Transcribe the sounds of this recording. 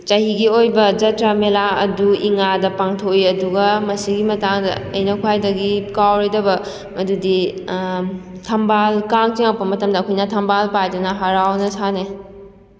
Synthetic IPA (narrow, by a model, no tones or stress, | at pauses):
t͡ʃɐɦiɡiojbɐd͡ʒɐtɾamelaɐ̰duiŋadɐpaŋtʰoiɐduɡɐmɐsiɡimɐtaŋdɐ̰ɐjnɐkʰwajdɐɡikawɾɐjdɐbɐ | mɐdudi | tʰɐmbalkaŋtiŋawpɐmɐtɐmdɐːkʰojnɐtʰɐmbalpajdunɐɦaɾawnɐsane